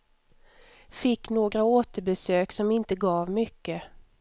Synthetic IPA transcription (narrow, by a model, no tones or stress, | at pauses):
fɪkːnoːɡɾaoːt̪əɾbɛsøːksɔmɪnt̪əɡɑːvmʏkːə